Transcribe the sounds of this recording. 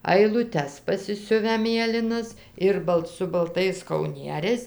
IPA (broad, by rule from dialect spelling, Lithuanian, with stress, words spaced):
ɐɪlˠʊˈtʲɛs pɐsʲɪˈsʲʊʋʲæː ˈmʲeːlʲɪnɐs ˈɪr bɐlˠt sʊ bɐlˠˈtɐɪs kɐʊˈnʲiɛrʲɛɪs